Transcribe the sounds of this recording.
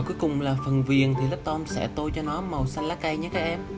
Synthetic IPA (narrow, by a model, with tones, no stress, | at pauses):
ku˨˦jkʊ˨˩ŋ͡mlaː˨˩fə˨˩nvi˨˩ənt̪ʰi˨˩lə˦˥t̪ɔ˧msɛ̰˧˩t̪o˧jt͡ɕɔ˧nɔ˨˦mə˨˩wsa˧nlaː˨˦˥ka˧jɲa˦˥kaː˦˥ʔ̚ɛ˧m